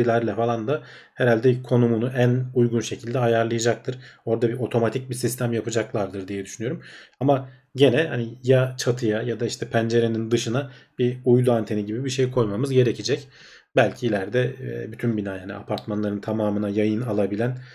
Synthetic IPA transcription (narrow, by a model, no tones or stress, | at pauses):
ilʲæɾlʲɛfalˠand̪a | heɾalʲd̪ɛkʰo̞numunuʔænujɡunʃe̞cʰilʲd̪ɛɦajaɾlˠɯjad͡ʒak̚t̪ʰɯɾ̥o̞ɾd̪abiʔo̞t̪ʰo̞mat̪ʰic̚bisist̪ʰæmjapɯd͡ʒaklˠaɾd̪ɯɾd̪ijɛd̪yʃynyjo̞ɾumama | ɟe̞nɛhanijat͡ʃʰat̪ʰɯjajad̪aiʃt̪ʰɛpʰænd͡ʒe̞ɾe̞nind̪ɯʃɯnab̥iujd̪ˠuant̪ʰe̞niɟibibiʃe̞jkʰo̞jmamɯzɟe̞ɾecʰid͡ʒɛc | bælʲcʰiːlʲæɾd̪ɛɛ̰byt̪ʰynbinaːjanḭa̰pʰaɾt̪manlˠaɾɯnt̪ʰamaːmɯnajajɯnalˠabilʲæn